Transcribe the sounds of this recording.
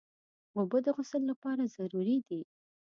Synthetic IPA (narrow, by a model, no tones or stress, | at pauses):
mobəd̪əɣʊsəlːapɑɾazaɾuɾid̪i